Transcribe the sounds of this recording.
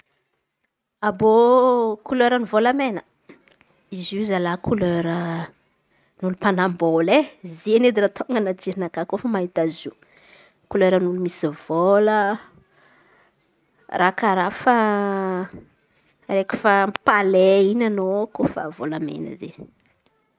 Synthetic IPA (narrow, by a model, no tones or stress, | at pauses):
abokuløɾənivolamenə | izizalakuløɾə | nulupanamboleziened̪irat̪ʰoŋɡənatiɾinakakofəmaɦit̪azi | kuløɾənulumisiv̥olə | rakaɾafa | ɾeki̥fapaleinanokofə̰volamḛnə̰zḛ